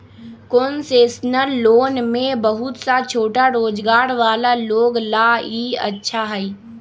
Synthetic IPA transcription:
konseːsnəlːoːnmẽbəɦʊt̪sat͡ʃʰoːʈaɾoːd͡ʒɡaːɾʋaːlaloːɡlaːiːə̰tːʃʰaɦɛi

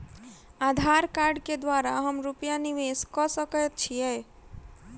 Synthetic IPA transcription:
ad̪ʱaɾkaɾɖked̪waɾaɦəmɾupjaniʋeskɔsəkət̪̚t͡ʃʰijɛ

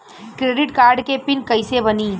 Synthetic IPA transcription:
kɾeːɖɪʈkaːɾɖkepɪnkɐjsebɐniː

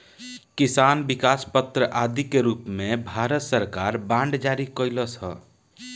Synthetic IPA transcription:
kisanbikaspət̪ɾəʔad̪ikeɾupmebʱaɾət̪səɾkaɾbãɳɖd͡ʒaɾikəɪləsə̰

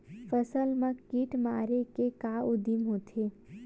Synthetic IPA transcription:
fəsəlmãkiʈmaːɾekekaːʊd̪imɦot̪ʰe

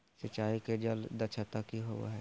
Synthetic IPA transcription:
sət͡ʃaːiked͡ʒəld̪ɐt͡ʃʰat̪akiɦo̰ɦɛ

